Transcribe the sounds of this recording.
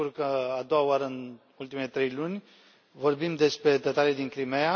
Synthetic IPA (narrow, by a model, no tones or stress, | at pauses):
urkəad̪o̞waoaɾəɨn | ult̪imelet̪ɾe̞jlunʲ | vo̞rbimd̪e̞spɾe̞d̪et̪alid̪inkɾimeja